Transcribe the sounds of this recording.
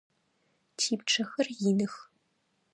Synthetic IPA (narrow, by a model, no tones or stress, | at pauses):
tʰiːp̚ʈ͡ʂʰɐxɐrjinɨx